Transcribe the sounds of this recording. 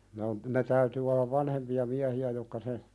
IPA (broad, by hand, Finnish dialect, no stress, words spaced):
ne on ne tæytyː olːɑʋ ʋɑnhempiɑ miæhiæ jokːɑ se